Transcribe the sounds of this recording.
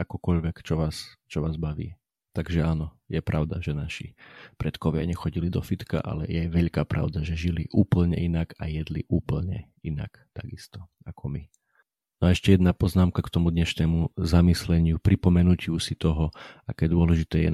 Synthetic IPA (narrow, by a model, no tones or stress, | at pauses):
akɔkɔʎʋɛkt͡ʃɔʋaːst͡ʃɔʋaːzbaʋḭː | t̪aɡʒɛaːnɔ | jɛpɾʔaʊd̪aʒɛnaʃḭpɾɛt̪kɔʋɪa̰ɲɛxɔɟilid̪ɔfit̪ka̰ʔa̰lɛ̰jɛʋɛʎkaːpɾʔa̰ʊd̪aʒɛʒiliʔuːpl̩ɲɛ̰inaka̰jɛd̪liʔuːpl̩ɲɛ̰ | ina̰kt̪aɡist̪ɔ̥ | akʰɔmi | naɛʃcɛjɛd̪napɔznaːmkakt̪ɔmud̪ɲɛʃnɛːmuzamislɛɲɪupɾipɔmɛnucuːsit̪ɔɦɔakɛːd̪ʊɔlɛʒit̪ɛːjɛ̰